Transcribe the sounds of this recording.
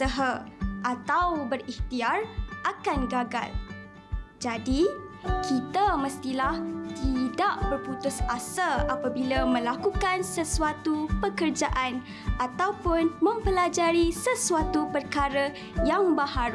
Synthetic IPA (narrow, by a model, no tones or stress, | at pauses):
səɦəʔat̪awbəriht̪iarʔakanɡaɡa̰l | d͡ʒadi | kit̪aməst̪ilaht̪idaʔbərput̪ʊsasalʔapabilamə̃lakukansəsuat̪upəkərd͡ʒaʔan | at̪awpʊnmə̃mpəlad͡ʒaɾisəsuat̪upərkaɾə | jaŋbaɦaɾ